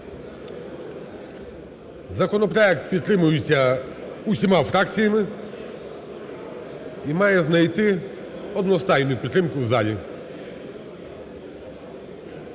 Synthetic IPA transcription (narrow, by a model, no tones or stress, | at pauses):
zakɔnɔpɾajɛk̚t̪̚pʲit̪ɾɪmujusʲa | usʲimawfɾak̚t̪sʲijimɪ | imajɛznajt̪ɪ | ɔd̪nɔst̪ajnujupʲit̪ɾɪmkuvzalʲi